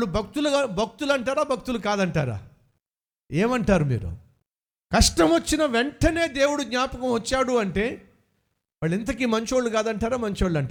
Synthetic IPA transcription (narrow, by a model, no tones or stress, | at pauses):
ɭubʱɐk̚t̪ulubʱɐk̚t̪ulɐɳʈaːɾaːbʱɐk̚t̪ulukaːd̪ɐɳʈaːɾa̰ː | eːmɐɳʈaːɾumḭːɾṵ | kɐʂʈɐmɐt͡ʃːinɐʋe̞ɳʈɐne̞ːd̪e̞ːwuɽud̪ɲaːpɐkɐmʋɐt͡ʃːaːɽuɐɳʈe̞ː | ʋɐɭːint̪̬ɐkiːmɐɲt͡ʃo̞ːɭːukaːd̪ɐɳʈaːɾaːmɐɲt͡ʃoːɭːɐɳʈa